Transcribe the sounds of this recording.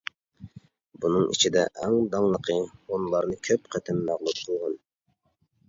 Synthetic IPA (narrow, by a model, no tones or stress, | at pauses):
bunɨŋḭt͡ʃʰid̪ɛʔɛŋd̪ɑŋlˠəqʰəonlˠɑɾnɨkʲʰøpqʰɛt̪ʰɪmːæʁlˠup̚qʰəlˠʁɑn